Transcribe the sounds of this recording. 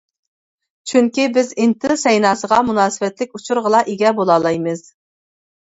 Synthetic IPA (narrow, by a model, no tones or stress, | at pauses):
t͡ʃʰyŋkʲibɪzɪnt̪ʰɪsɛjnɑːsəʁɑmunɑːsɨwɛt̪lɪkʲut͡ʃʰuɾʁəlˠɑʔeɡʲɛbolˠɑːlˠɑjmɨz̥